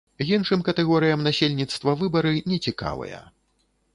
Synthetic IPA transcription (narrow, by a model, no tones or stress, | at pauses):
ɣinʂɨmkɐt̪ɛɣɔɾɨjɐmnasʲelʲnʲit̪st̪vɐvɨbɐɾɨnʲɛt͡sʲika̰vɐ̰jɐ̰